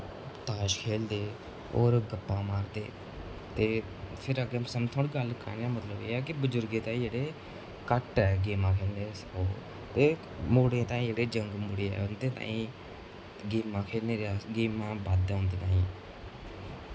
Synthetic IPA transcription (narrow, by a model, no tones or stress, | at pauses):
t̪aːʃkʰeːld̪eː | o̰ːɾɡəpːãːmaːɾd̪eː | t̪eː | pʰɪɾəɡeːsəmt̪ʰoːɽiːɡəlkə̰ɾnãːmət̪ləbḛːɛːk̬ɪbəd͡ʒʊɾɡeːt̪ãːĩd͡ʒeːɽeː | kəʈɛːɡeːmãːkʰeːlneːsoː | t̪eː | moːɽẽːt̪ãːĩːd͡ʒeːɽeːd͡ʒəŋɡmʊɽeːɛ̰ːʊnd̪eːt̪ã̰ːĩː | ɡiːmãːkʰeːlneːɾaːɡiːmãːbaːd̪õːnd̪eːt̪ãːĩː